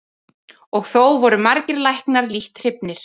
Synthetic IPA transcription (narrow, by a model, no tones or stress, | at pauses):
ɔɣθowvɔɾʏmaɾcɪɾlajhknaɾliht̪r̥ɪpnɪɾ̥